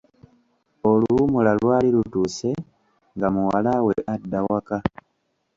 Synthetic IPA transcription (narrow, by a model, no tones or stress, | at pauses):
olumulalwaːlilutuːse̞ | ŋɡamuwalaweʔadːawaka